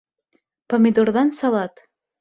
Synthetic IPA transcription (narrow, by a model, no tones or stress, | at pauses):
pəmid̪orðɑnsɑlˠɑt̪